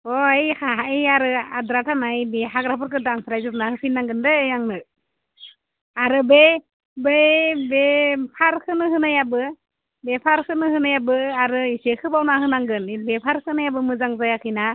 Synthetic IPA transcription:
ɔajhaɦaiaɾɯadɾatʰanajniɦaɡɾapʰɯɾkɯdaŋsɾajzupnahɯkʰɯjnːaŋɡɯndɯjaŋnɯ | aɾɯbe | bebepʰaɾkʰɯnɯhɯnajabɯ | bepʰaɾkʰɯnɯhɯnajabɯaɾɯisekʰɯbawnahɯnaŋɡɯnibepʰaɾkʰɯnajabɯmɯzaŋzajakʰɯjna

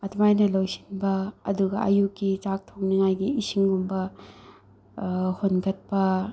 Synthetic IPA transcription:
ɐtʰmajnɐlowsi̥nbɐːduɡɐ̰ʔɐjukːit͡ʃak̚tʰok̚niŋajɡiːsiŋumbɐ | honɡɐt̚pɐ

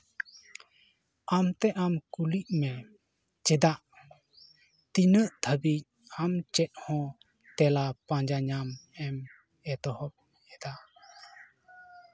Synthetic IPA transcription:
amt̪ɛʔamkuliʔ̚mɛ | t͡ʃɛd̪aʔ | t̪inəʔt̪ʰəbic̚ | amt͡ʃɛt̪̚hɔ̃ | t̪ɛlapãd͡ʒaɲamɛm | ɛt̪ɔhɔp̚ | ɛd̪aʔ

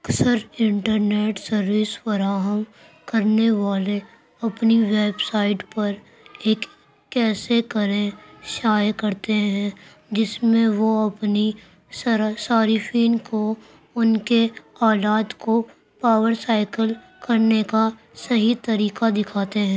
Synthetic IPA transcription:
ɐksəɾɪ̃ɳʈəɾneːʈsɐɾʋɪsfɐɾaːɦəm | kɐɾneʋaːle | ɐpniʋeːbsaːɪʈpɐɾ | eːkː | ɛːsekɐɾẽʃaːjkɐɾt̪eɦɛ̃ | d͡ʒɪsmẽʋoɐpni | ssaːɾɪfʰiːnko | ʊnkeaːlaːt̪ko | paːʋəɾsaːɪkəl | kɐɾneka | sɐɦit̪ɐɾiːkad̪ɪkʰaːt̪eɦɛ̃ː

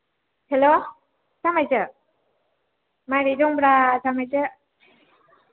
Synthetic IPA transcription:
helo | samajzɯ | maɾidɔŋbɾasamajzɯ

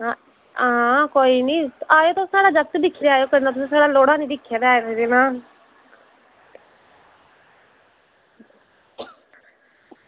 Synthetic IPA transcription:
a | ãːkoːiːnĩːaːoːt̪osaːɽaːd͡ʒək̚t̪d̪ɪkʰːɪjaːjoːkənãːt̪ʊsĩːsaːɽaːloːɽaːnĩːd̪ɪkʰːjaːd̪aaːeɾːd̪eːnãː

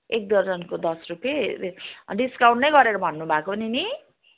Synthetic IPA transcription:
ek̚d̪ʌrd͡zʌnkod̪ʌsrupje | ɖiskaw̃ɳʈnʌjɡʌɾeɾʌbʱʌnːubʱakonini

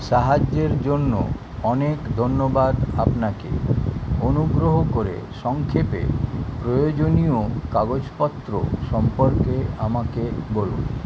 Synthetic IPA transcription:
ʃaɦad͡ʑːeɾd͡ʑonːo̰ | ɔnekd̪ʱonːobad̪apnakḛonuɡɾoɦokoɾḛʃɔŋkʰepḛɾpɾojod͡ʑoniokaɡod͡ʑpɔt̪ːɾo̰ʃɔmpoɾkeamakebɔlṵn

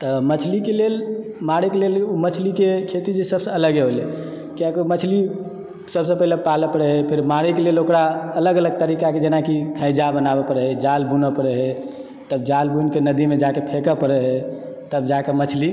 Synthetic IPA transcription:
t̪əmət͡ʃʰlikelelmaɽikelelumət͡ʃʰlikekʰet̪id͡ʒesəbsəələɡeɦole | kjakumət͡ʃʰli | səbsəpəɦlepaləpəɽɛɦɛpʰeɾmaɾikelelokɾaələɡələɡ̚t̪əɾikaked͡ʒenakikʰə̃jd͡ʒabənabepəɾɛɦɛd͡ʒalbʱunəpəɾɛɦɛ | t̪əb̚d͡ʒalbʱunkenəd̪imed͡ʒakepʰekəpəɾɛɦɛ | t̪əbd͡ʒakemət͡ʃʰli

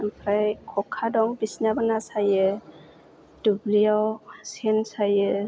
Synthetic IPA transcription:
ampʰɾajkʰɔkʰːadɔŋbisnabanasajɯ | d̥ubliawsensajə

